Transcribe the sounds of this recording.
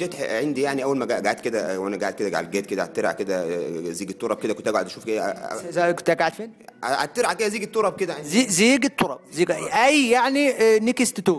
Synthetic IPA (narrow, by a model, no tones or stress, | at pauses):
æt̪ħeʕend̪ijaʕniʔæwːælmæɡaʔɡaʕat̪̚ked̪æwʔænæɡaʕat̪ked̪æɡa̰ʕlɡæːt̪̚ked̪æʕa̰t̪ːeɾʕa̰ked̪æziːɡet̪ːoɾˤɑb̚ked̪ækont̪æɡʕod̪æʃuːfkʔḛzækt̪æɡaʕd̪feːnʕa̰t̪ːeɾʕaked̪æziːɡet̪ːoɾˤɑb̚ked̪æʕeiziːɡet̪ˤːoɾˤɑb̚ziːɡʔæjjaʕninekest̪et̪oː